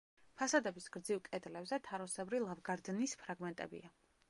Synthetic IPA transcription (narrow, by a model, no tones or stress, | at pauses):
pʰasad̪ɛbisɡ̥ɾd̪zivkʼɛd̪lɛbzɛt̪ʰaɾɔsɛbɾilˠavɡaɾd̪nispʰɾaɡmɛnt̪ʼɛ̰bḭa